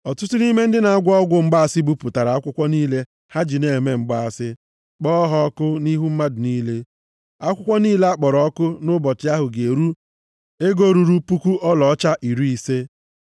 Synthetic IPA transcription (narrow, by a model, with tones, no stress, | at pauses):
ɔ˨tʊ˦tʊ˦ɾi˦me˦n̩˦dɪ˦na˨a˦ɡʷɔ˦ɡʷʊ˦m̩˦ɡ͡ba˦a˨sɪ˦bu˦pʊ˨ta˨ɾa˨a˦kʷʊ˦kʷɔ˦niː˦le˦ | ha˦d͡ʒi˨ne˨me˦ŋ͡m̩˨ɡ͡ba˦a˨sɪ˦ | k͡pɔ˦ɦɔ˦ɔ˦kʊ˦ni˦ɦu˦m̩˦ma˦dʊ˨niː˦le˦ | a˦kʷʊ˦kʷɔ˦niː˦le˦a˦k͡pɔ˨ɾɔ˨ɔ˦kʊ˦nʊ˦bɔ˨tɪ˨a˦ɦʊ˨ɡe˨ɾu˦ | e˦ɡo˦ɾu˨ɾu˦pu˦ku˦ʔɔ˦lɔ˨ɔ˦t͡ʃa˦ʔi˨ɾu˦i˨se˦